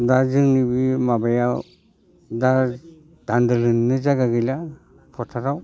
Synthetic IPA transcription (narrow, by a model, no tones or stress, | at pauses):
dazɯŋnibimabajaw | da | d̥andɯlɯnːɯzaɡaɡɯjla | pʰɔtʰaɾaw